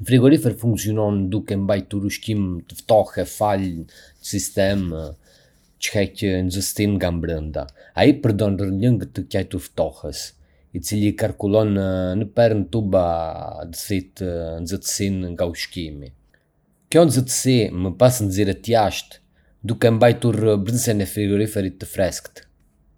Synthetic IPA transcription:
fɾiɡɔɾifɛɾfuŋksijɔnɔnd̪ukɛmbajt̪uɾuʃkimt̪əft̪ɔhɛfal | əsist̪ɛm | t͡ʃə̥hɛcənzəst̪inŋɡambɾənd̪a̰a̰ipəɾd̪ɔnrələŋɡət̪ːəcajt̪uɾft̪ɔhəs | it͡silikaɾkulˠɔnənəpɛɾənt̪ubad̪əsit̪ənd͡zət̪ə̥sinŋɡauʃkimi | kjɔnzət̪ə̥siməpasnziɾɛt̪jaʃt̪ | d̪ukɛmbajt̪uɾbɾənsɛnɛfɾiɡɔɾifɛɾit̪ːəfɾɛskt̪

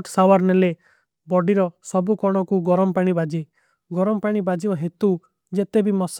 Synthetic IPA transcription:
ʈsawaɾnele | bɔɖiɾɔsɔbukɔɽ̃ɔkuɡɔɾɔmɔpaɽ̃ibad͡ʒi | ɡɔɾɔmɔpaɽ̃ibad͡ʒibaɦet̪u | d͡ʒet̪ebimɔs

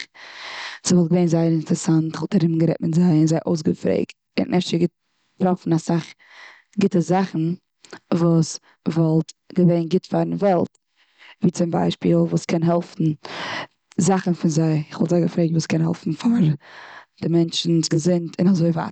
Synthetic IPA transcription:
z̥ɪvɔlˠtɡəveɪnzaɪəɾɪntɾɛsantɪ̥χvɔlˠtaɾɪb̩ɡəɾɛt̚mɪtzaɪɪnzaɪʔoʊs̬ɡəfɾḛɪkt | ɪ̰nnʔɛft͡ʃəɡɪt̚ | pɾɔfn̩asaχ | ɡɪtəzaχn̩ | vuːs | vɔlˠtɡəveɪnɡɪtfaɾvɛlˠt | viːt͡sɪmba̰ɪʃpḭːlˠvuːskʰɛnɦɛlˠfn̩ | zaχn̩fɪnzaɪɪχvɔlˠtzaɪɡəfɾeɪtvuːskɛnɦɛ̰lˠfn̩faɾ | d̥ɪmɛnt͡ʃn̩sɡəzɪntʰɪnazoɪva̰ːt

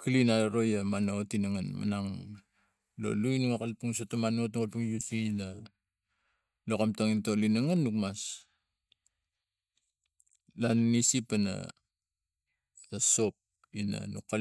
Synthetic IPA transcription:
kʰilinaɾo̞jamanootinaŋanma̰naŋ | lo̰luinaŋakalpuŋsotomanotuŋalpuŋjutina | lokamtaŋintolinaŋanːukmas | lanːisipana̰ | taso̞p̚ | ina̰nukːa

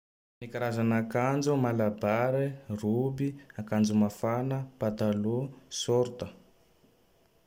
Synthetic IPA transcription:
nikaɾazanakand͡zumalabaɾirubiakand͡zumafanəpat̪alusoɾt̪ə

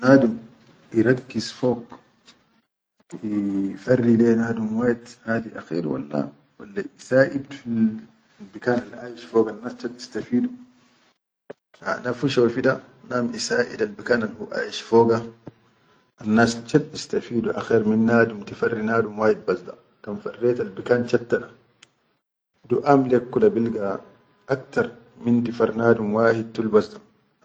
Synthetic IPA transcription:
naːd̪um | ʔiɾˤakːizfoːɡ | ifarːileːnaːd̪umwaːjid̪haːd̪iʔa̰xḭːɾwa̰lːa̰ | wa̰lːaʔisaːʔidfi | bikaːnalʔaːjiʃfoːɡanːaːst͡ʃad̪ist̪afiːdu | ha̰nafuʃawfid̪a | namʔisaːʔḭdalbikanalhuʔa̰ːjiʃfɔːɡa | ʔanːaːst͡ʃadist̪afiːduʔa̰xɛɾminːaːdumtifarːinaːdumwaːhid̪̚bazd̪a | tamfarːɛːt̪albikant͡ʃat̪ːaɗa | duʔamlɛkːulabilɡa | ʔak̚t̪aɾ | mintifaɾnaːdumwaːhid̚tulbazd̪a

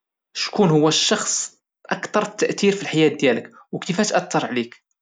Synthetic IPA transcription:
ʃkunhʊwːæʃːɑxsˤ | ʔɑkt̪ɑɾˤt̪ːæʔt̪iɾfilħajæd̪jælək | wkifæt̪ʔæt̪ʰːɑɾˤʕlik

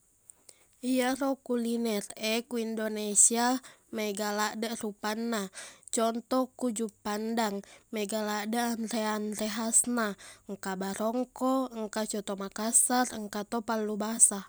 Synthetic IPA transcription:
iaɾɔkulinɛrɛkuindonɛsiamɛɡalaʔdarupanːat͡ʃɔnt̪ɔkud͡ʒupandaŋmɛɡaladaanrɛanrɛɦasnaŋkabaɾɔŋkɔŋkat͡ʃɔt̪ɔmakasarŋkat̪ɔpalːubasa

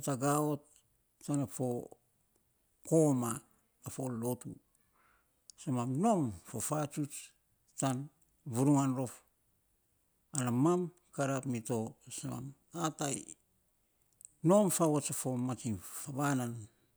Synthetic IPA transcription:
ataɡaot | t͡ʃanafo̞ | koma | afolo̞tṵ | samamno̞mfofat͡ʃut͡ʃ | tan | βuɾuŋanɾo̞f | anamam | kaɾapmito̞sama̰m | ataj | no̞mfaβot͡ʃafomat͡ʃinfaβanan

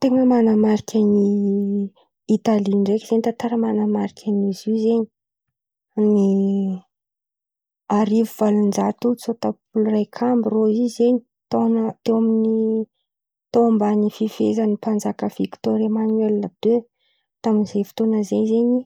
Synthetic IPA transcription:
t̪eŋəmanamaɾikʲʰani | it̪aliɳɖ͡ʐekʲiz̥enit̪at̪aɾəmanamaɾikʲʰanizizeɲi | ni | aɾivuvalund͡ʒat̪ut͡sot̪apulurajkʰambiroizeɲi | t̪ont̪ewamini | t̪ombanififezənipand͡zakəv̥iki̥t̪oɾamanwelnəd̪̥e | t̪aminiz̥ejfi̥t̪onəzeɲzeɲi

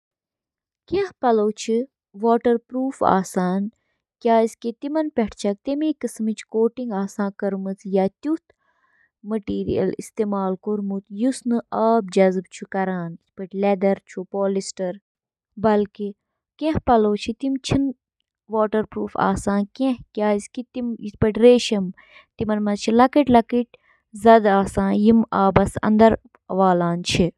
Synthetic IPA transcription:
kẽhpɐloːwt͡ʃʰi | ʋaːʈɐɾpɾuːfa̰ːsaːn | kʲjaːisket̪imɐnpʲɛʈʰt͡ʃʰɐk̚t̪imikɨsmit͡ʃʰkoːʈiŋɡaːsãːkɐɾmɨt͡s̪ʰjaːt̪ut̪ʰ | mɐʈiːɾḭjɐ̰list̪eːmaːlkuɾmut̪jusnɨɐːb̚d͡ʒɐzb̚t͡ʃʰukɐɾaːnispɐʈʲlɛd̪ɐɾt͡ʃʰupoːlisʈɐɾ | bɐlki | kẽhpɐloːt͡ʃʰit̪imt͡ʃʰin | ʋoːʈɐɾpɾuːfa̰ːsãːnkẽɦkʲaːiskit̪imit̪pɐʈʲɾeːʃɐm | t̪imɐnmɐzt͡ʃʰilɐkiʈlɐkiʈ̚ʲ | zɐd̪aːsãːjimaːbɐsɐ̰nd̪ɐɾ | ʋaːlaːnt͡ʃʰi

